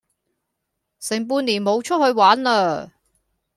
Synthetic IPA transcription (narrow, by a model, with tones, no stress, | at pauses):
sɪ˨˩ŋp̬uː˧nliː˨˩nmo˨˧wt͡ʃʰɵ˥t̚hɵ˧ɥwaː˨˥nləː˧